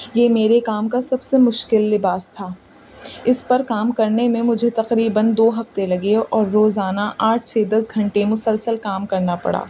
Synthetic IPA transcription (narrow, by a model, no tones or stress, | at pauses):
jeːmeːɾekaːmkasɐbsemʊʃkɪlːɪbaːst̪ʰaː | ɪspɐɾkaːmkɐɾnemẽmʊd͡ʒʱet̪ɐqɾiːbənd̪oːɦɐft̪elɐɡeɔːɾːoːzaːnaʔaːʈʰsed̪ɐsɡʱɐ̃ɳʈemʊsəlsəlkaːmkɐɾnapɐ̰ɽa̰ː